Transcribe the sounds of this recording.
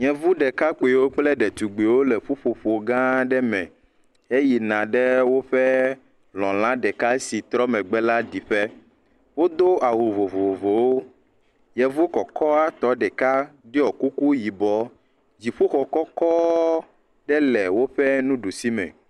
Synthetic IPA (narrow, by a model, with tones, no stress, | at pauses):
ɲɛ̃˨vu˦ɖɛ˨ka˦k͡po˨wo˦k͡plɛ˦ɖɛ˨t̪u˨ɡ͡be˨wo˦lɛ˨ɸu˦ɸo˨ɸo˨ɡã˦ɖɛ˦mɛ̰̃˨ | e˦ji˨nã˨ɖɛ˦wo˦ɸɛ˦ | lɔ̃˨l̃ã˦ɖɛ˨ka˦si˨t̪ɾɔ˦mɛ̃˨ɡ͡bɛ˦la˦ɖi˨ɸɛ˦ | wo˦d̪o˦a˨wo˨vo˨vo˨vo˨wo˦ | jɛ˨vu˦o˦kɔ˨kɔ˦a˦t̪ɔ˨ɖɛ˨ka˦ɖi˦ɔ˨ku˦ku˦ji˨bɔ˨ | d͡ʑi˨ɸo˦xɔ˨kɔ˦kɔ˦ | ɖɛ˦lɛ˨wo˦ɸɛ˦nũ˦ɖu˨si˦mɛ̰̃˨